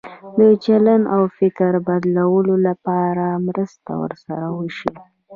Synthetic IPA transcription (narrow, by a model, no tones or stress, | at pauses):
d̪ət͡ʃalanawfɪkɾbad̪lawəlolapɑɾamɾəst̪a̰wə̰ɾsa̰ɾawəʃi